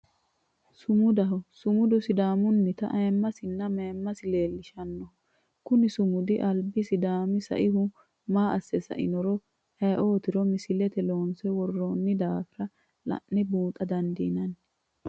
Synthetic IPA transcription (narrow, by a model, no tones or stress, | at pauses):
sʊmʊd̪ɐɦɔsʊmʊd̪ʊsɪd̪aːmʊnːɪt̪ɐ̰ʔɐjmːɐsɪnːɐmeːmːɐsɪle̞ːlːɪʃɐnːɔhɔ | kʊnɪsʊmʊd̪ɪʔɐlbɪsɪd̪aːmɪsɐ̰ʔɪhʊ | maːʔɐsːɛsɐ̰ʔɪ̰nɔɾɔ | hɐjʔo̞ːt̪ɪɾɔmɪsɪlɛt̪ɛloːnsɛwɔrːoːnːɪd̪aːfɪɾɐ | lɐ̰ʔːɪbuːt̪ʼɐd̪ɐnd̪ḭːnɐn